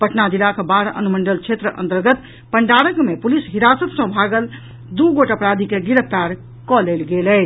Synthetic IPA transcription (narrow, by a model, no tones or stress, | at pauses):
pəʈnad̪ilakbaɾə̰numəɳɖəlt͡ʃʰet̪ɾəʔə̰̃nt̪əɾɡət̪ | pəɳɖaɽəkmepulisɦiɾasət̪sə̃bʱaɡəl | d̪uɡoʈəpɾad̪ʱikeɡiɾəpʰt̪aɾ | kɔlelɡelɛ